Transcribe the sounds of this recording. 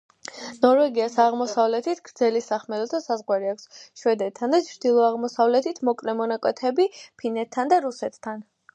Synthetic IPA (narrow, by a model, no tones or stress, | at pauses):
nɔɾvɛɡiasaʁmɔsavlɛt̪ʰit̪ʰɡ̥ɾd̪zɛlisaχmɛd̪ɔt̪ʰasazʁwaɾiakʷsʃwɛd̪ɛt̪ʰːand̪at͡ʃʰɾd̪̥ilˠɔaʁmɔsavlɛt̪ʰit̪ʰmɔkʼlɛmɔnakʼwɛt̪ʰɛbipʰinɛt̪ʰːand̪aɾusɛt̪ʰt̪ʰːan